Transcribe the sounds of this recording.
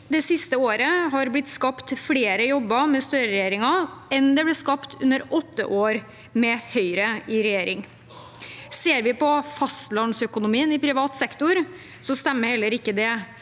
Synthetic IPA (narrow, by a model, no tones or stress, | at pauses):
d̪ɛsɪst̪əoːɾəɦɑɾblɪt̪ːskɑpt̪fɽeːɾəjɔbːɑmɛst̪œɾəɾɛjeːɾɪŋɑɛnd̪ɛblɪskɑpt̪ʰʉ̰nːəɾɔt̪ːə̰ʔoːɾ | mɛhœʏɾəɪɾɛjeːɾɪŋ | seːɾʋɪpɔfɑst̪lɑnsœkʊnʊmiːənɪpʰɾɪʋɑːt̪sɛkt̪ʊɾ | sɔst̪ɛmːəɾhɛlːəɾɪkːəd̪ɛ